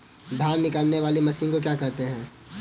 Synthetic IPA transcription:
d̪ʱaːnːɪkəlneʋaːlemɐsinkok̬jaːkɐɾt̪eɦɛ̃ː

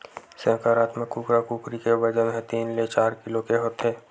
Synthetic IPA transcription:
sẽːkaɾaːt̪mẽkuːkɾakuːkɾikebɐd͡ʒamẽt̪iːnlet͡ʃaːɾkɪlokeɦoːt̪ɛː

